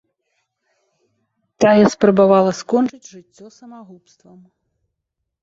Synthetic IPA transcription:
t̪ajɛspɾɐbavalˠɐskɔnt͡ʂɨd͡zʲʐɨt͡sʲːɔsɐmaɣupst̪vɐm

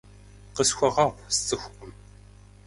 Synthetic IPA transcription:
qəsxʷaʁɑʁʷst͡sːəxʷəm

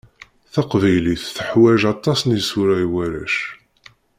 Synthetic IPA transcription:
θɑqvæjliθθəħwæʒɑt̪ˤːɑsnisʊɾæjwæɾæ̰ʃ

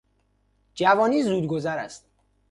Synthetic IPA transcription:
d͡ʒævɒːniːzuːd̪ɡo̞zæɾæ̰st̪̚

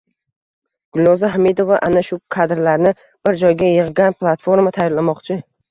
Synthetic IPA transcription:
ɡ̥ʊlnɒzaɦamed̪ovaʔanaʃʊkʰad̪ɾlaɾnɪ | b̥ɪɾd͡ʒɒjɡʲajɨʁɡanpʰlˠat̪fo̞ɾmat̪ʰajɒɾlamɒqt͡ʃʰɪ

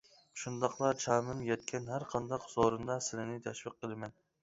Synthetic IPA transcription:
ʃund̪ɑqlˠɑt͡ʃʰɑːmɨnjɛt̪̚kʲʰɛnɦæɾqʰɑnd̪ɑqz̥oɾɨnd̪ɑsɪlɪnɪt̪ʰɛʃwiqːəlˠɨmɛn

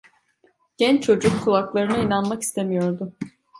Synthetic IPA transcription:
ɟ̥ɛnt͡ʃt͡ʃʰo̞d͡ʒukʰːulˠaklˠaɾɯnɯinanmaki̥st̪ʰe̞mijo̞ɾd̪ʊ

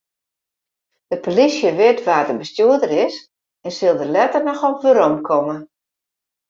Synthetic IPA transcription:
d̥əpolisjəʋɪtʋaːrdəbəstjuədəɾɪs | ɛnsɪlˠdəlɛtərnɔxɔʋøɾɔmkʰɔmə

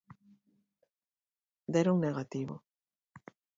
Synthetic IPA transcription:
d̪eɾoŋneɣat̪iβo̰

